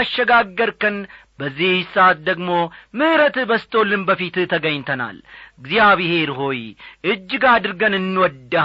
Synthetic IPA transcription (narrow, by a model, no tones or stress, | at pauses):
ʃːəɡaɡːəɾkɨn | bəzːihsːʔat̪̚d̪əɡmo̞mɨhɾət̪bəst̪ʰo̞lːɨmbəfit̪t̪ʰəɡəɲːt̪ʰəna̰lɡzijaβihe̞ɾɦo̞jʔɨd͡ʒːɡad̪ɨɾɡənɨnːwɔd̪ːə